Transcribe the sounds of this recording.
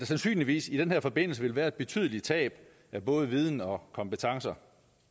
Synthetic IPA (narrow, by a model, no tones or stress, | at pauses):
æsænsy̰ːnliʋḭːsid̥enheɐfɒ̽b̥e̝n̰l̩səʋe̝lʋæːɐe̝d̥b̥e̝t͡sʰy̰ð̞ˠlit͡sʰɛ̰ːb̥ | æb̥ɔ̽ːð̞ˠʋið̞ˠn̩ɒ̽kʰɒ̽mpet͡sʰɑ̈ŋsɐ